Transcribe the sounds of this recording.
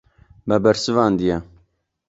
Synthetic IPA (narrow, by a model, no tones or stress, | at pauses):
bɛbɛɾsɨvɑːnd̪ijɛ